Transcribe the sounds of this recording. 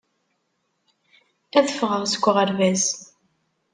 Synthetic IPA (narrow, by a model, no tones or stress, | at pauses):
æðəfʁəʁsə̥kʷːəʁəɾvæz